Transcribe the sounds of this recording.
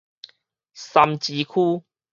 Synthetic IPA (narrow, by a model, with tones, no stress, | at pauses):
sa˧mt͡ɕi˨˧˦kʰuː˦